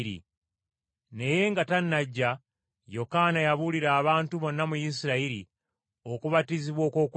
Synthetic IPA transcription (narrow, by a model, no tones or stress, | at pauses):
ɾḭ | ne̞je̞ŋɡatanːaɟːa | jo̞kanajaβuliɾaːβaːntuβo̞nːamujis̬iɾaiɾi | o̞kuβatiziβwo̞ːko̞ːk